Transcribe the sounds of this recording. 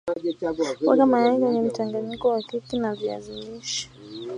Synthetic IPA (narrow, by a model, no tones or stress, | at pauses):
wa̰kamaaɡwɛɲɛm̩taŋɡaɲikɔwakikinavia̰ziliʃḁ